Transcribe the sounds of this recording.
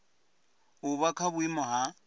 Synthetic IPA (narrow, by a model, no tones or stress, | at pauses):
ʊbakʰabʊimɔɦa